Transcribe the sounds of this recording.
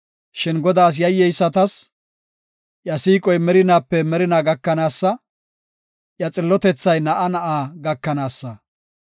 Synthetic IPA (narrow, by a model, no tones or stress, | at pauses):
ʃɪnɡɔd̪aːs̬jɐjːɛjsːɐt̪ɐs | jɐsiːkʼɔjmɛɾɪnaːpːɛmɛɾɪnaːɡɐkːɐnaːsːɐ | jɐt͡sʼɪlːɔt̪ɛt͡sːɐjnɐʔɐnɐʔaːɡɐkːɐnaːsːɐ